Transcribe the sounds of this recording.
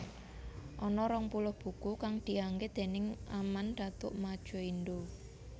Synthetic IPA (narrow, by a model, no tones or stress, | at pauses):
ʔɔnɔɾɔŋpulʊhb̥ṳkukaŋd̪̥i̤aŋɡed̪̥e̤nɪŋamand̪̥a̤t̪ʊʔmad̥ʒ̥ɔ̤ind̪o